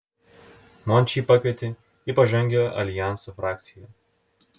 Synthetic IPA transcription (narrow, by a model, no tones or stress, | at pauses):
mɔnʲˑt͡ʃʲiːˑpɑkʲʋʲet̪ʲe | iˑpɐʒʲɛŋʲɡʲɛʔɐ̰lʲɪjæˑnsufɾɑːk̚t̪sʲɪjɛ